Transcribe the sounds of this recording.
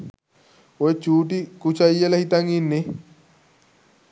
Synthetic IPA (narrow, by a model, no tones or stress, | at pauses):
oet͡ʃuːʈikut͡ʃɐjelɐhit̪ɐŋinːe